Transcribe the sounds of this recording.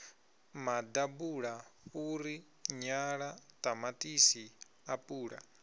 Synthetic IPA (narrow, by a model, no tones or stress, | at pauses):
mad̪abuɺauɾi | ɲaɺat̪ʼamatʼisi | apʼuːɺa̰